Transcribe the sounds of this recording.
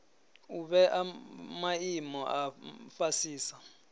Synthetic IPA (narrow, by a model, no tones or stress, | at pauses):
uɓɛʔamaimɔʔafasiːsa